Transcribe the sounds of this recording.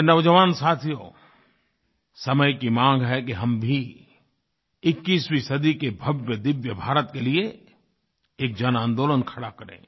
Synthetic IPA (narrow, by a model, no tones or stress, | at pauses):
nɐʋd͡ʒəʋaːnsaːt̪ʰijoː | sɐməjkimãːŋɡɦɛkeɦɐmbʱi | ɪkːiːswisɐd̪ikebʱɐbjəd̪ɪʋjəbʱaːɾət̪kelie | eːk̚d͡ʒɐnãːnd̪oːlənkʰɐɽakɐɾḛ̃ː